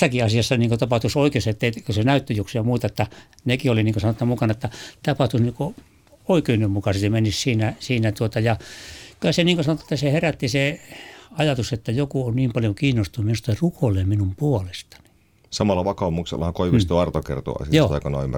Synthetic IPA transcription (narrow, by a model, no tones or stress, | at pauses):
sːɑkiɑsiɑsːɑniːŋkot̪ɑpɑht̪usoikeosɑet̪ːeikosenæyt̪ːøjuksiɑmuit̪ɑet̪ːæ | nekioliniːŋkosɑnot̪ːɑmukɑnɑet̪ːæt̪ɑpɑht̪usniːŋko | oikeynːemmukɑset̪emenissiːnæsiːnæt̪uot̪ɑjɑkylæseniːŋkosɑnot̪ːɑ̥et̪ːæseheræt̪ːise | ɑjɑt̪uset̪ːæjokuonniːmpɑljokiːnːost̪unuminust̪erukʰoileːmminumpuolest̪ɑ̥ni̥ | sɑmɑlːɑʋɑkɑumuksḛlːɑ̰hɑkoiʋist̪uɑrt̪okḛrt̪ṵɑ̰sijoːɑ̰ˑikɑnɑ̰ymːæ